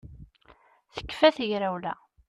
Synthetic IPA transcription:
θə̥kːfæθəʝɾæwlæ

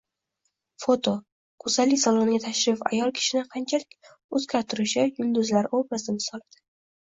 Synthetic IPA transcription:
fot̪ʰo | kʰʊzalɪkʲsalˠonɪɡʲat̪ʰaʃɾɪfa̰jɒlˠkʲʰɪ̥ʃɪnɪqʰɑnt͡ʃʰalɪkʲ | ɵzkʲaɾt̪ʰʊɾɪʃɪjʊnd̪ʊzlaɾobasd̪ɪmɪsɒlˠad̪̥ɪ̥

